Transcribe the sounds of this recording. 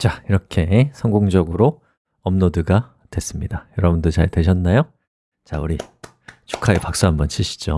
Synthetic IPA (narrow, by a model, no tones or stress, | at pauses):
t͡ɕaiɾʌkʰe̞sʰʌŋɡoŋd͡ʑʌɡɯɾo | ʌmnodɯɡa | twe̞s͈ɯmɲidajʌɾʌbundot͡ɕa̰ɭtwe̞ɕʰʌnːajo | t͡ɕauɾi | t͡ɕu̥kʰaepak̚s͈uɦambʌnɕʰiɕʰi̥d͡ʑo̰